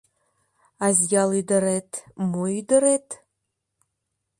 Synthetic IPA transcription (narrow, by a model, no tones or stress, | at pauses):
azjalidɐɾetʰmoydɨɾetʰ